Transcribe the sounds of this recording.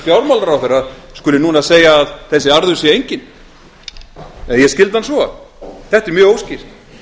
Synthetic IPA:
fjawlmawlaɾawθɛɾaðskʏlːɪnuːnaseːjaːðθɛsːɪaɾðʏsjɛejɲcɪn | ɛnjɛscɪlt̪hansvɔa̰θɛht̪ɛɾmjʏːɣowscir̥t̪

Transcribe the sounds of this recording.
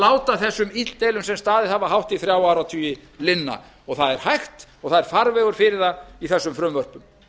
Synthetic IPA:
laːwt̪aθɛsːʏmit̪t̪ejlʏmsɛmst̪aːðɪðhavaɦawht̪iθɾjawawɾawt̪ʰyːjɪlɪnːa̰ | ɔɣθaðɛɾ̥hajxt̪ɔɣθaðɛɾ̥faɾvɛːɣʏɾ̥fɪɾɪɾðaiθɛsːʏmfɾʏmvœr̥pʏm

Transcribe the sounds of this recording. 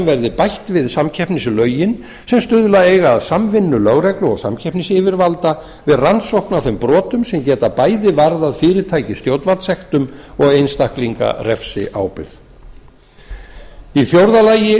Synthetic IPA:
mvɛɾðɪpajht̪vɪðsamcʰɛhpnɪslœːɥjɪn | sɛmst̪ʏðʏlaeːjɣaːðsamvɪnːʏlœɣɾɛklʏɔ̰ɣsa̰mcʰɛhpnɪsɪːvɪɾvalt̪a | vɪðransowhknawθempɾɔːt̪ʏmsɛmcɛːt̪apaːjðɪvaɾðaðfɪːɾɪɾt̪ʰaːjcɪst̪joːwt̪valt̪sɛxt̪ʏmɔɣejnst̪ahkliŋka̰rɛfsɪ̰ʔaːwpɪ̰ɾð | iθjowɾðalaːjɪ

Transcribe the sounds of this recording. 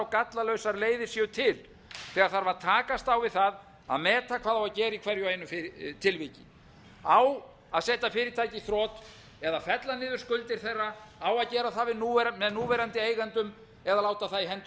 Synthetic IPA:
wkat̪lalœɥsaɾleːjðɪ̥sjœt̪ʰɪl | θɛːɣaɾθaɾvaɾt̪ʰaːkast̪awvɪðθað | a̰ðmɛːt̪akʰv̥aːðawacɛːɾɪikʰvɛɾjʏeːjnʏfɪɾt̪ʰɪlvicɪ | aw | aðsɛːt̪afɪːɾɪt̪ʰaːjciθɾɔːt̪ | ɛðafɛt̪lanɪːðʏɾ̥skʏlt̪ɪɾ̥θɛrːaawaðcɛːɾaθaðvɪðnuːvɛɾmɛðnuːvɛːɾant̪ɪeːjɣant̪ʏm | ɛðalaːwt̪aθaðihɛnt̪

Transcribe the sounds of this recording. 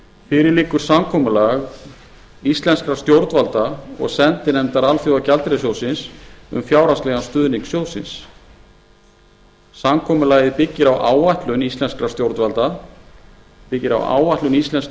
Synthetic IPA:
fɪːɾɪɾlɪːkʏɾ̥samkʰɔːmʏlaɣ | ist̪lɛnskɾast̪jowɾt̪valt̪aɔ̰ɣsɛnt̪ɪnɛmt̪aɾalfjowacalt̪ɾɛsjowsɪnsʏ̰mfjaːwɾaslɛːɣanst̪ʏːðnɪŋksjowsɪ̰ns | samkʰɔːmʏlaːɣɪpɪcːɪɾawʔaːwaht̪lʏnist̪lɛnskɾast̪jowɾt̪valt̪a | pɪcːɪɾa̰wa̰ːwaht̪lʏnist̪lɛns

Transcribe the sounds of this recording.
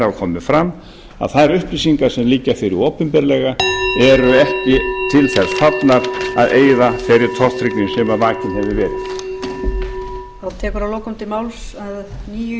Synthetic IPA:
akʰɔːmɪfɾamː | a̰ðθajɾʏhplisiŋkaɾ̥sɛmliːcːafɪɾɪɾoːpʏmpɛɾlɛɣaɛɾʏɛhcɪt̪ʰɪlθɛɾ̥sθat̪naɾ̥aðʔeːjðafɛɾɪɾ̥t̪ʰɔr̥t̪ʰɾɪknɪnsɛmavaːcɪnhɛvɪvɛːɾɪθ | θawt̪ʰɛːkʏɾaloːwkʏmt̪ɪmawlsaðniːjʏ

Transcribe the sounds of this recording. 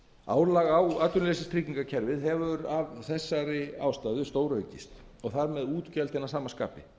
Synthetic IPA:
a̰ːwlaɣawaːt̪ʏnlesɪst̪ʰɾiciŋkacʰɛɾvɪðɦɛvʏɾavθɛsːaɾɪa̰ːwst̪aːjðʏst̪oːwɾœɥcɪst̪ | ɔɣθaɾmɛðuːt̪cɛlt̪θɛnasaːmaska̰ːpɪ

